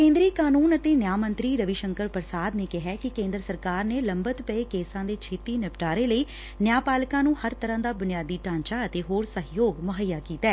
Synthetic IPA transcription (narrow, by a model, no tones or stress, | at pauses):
kẽːnd̪ɾiːkaːnuːnət̪eːnjaːmənt̪ɾiːɾəʋiʃəŋkəɾpəɾsaːd̪neːkɪɦɛːkɪkẽːnd̪ɾəsəɾkaːɾneːləmbət̪pəeːkeːsãːd̪eːt͡ʃʰeːt̪iːnɪpʈaːɾeːləiː | njaːpaːlkãːnũːhəɾt̪əɾãːd̪aːbʊnɪjaːd̪iːʈãːɲt͡ʃaːət̪eːɦoːɾsəɦjoːɡmʊɦəjːaːkiːt̪ɛː